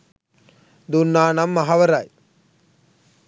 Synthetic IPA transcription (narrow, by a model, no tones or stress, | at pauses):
d̪unːaːnamːaɦaʋəɾaj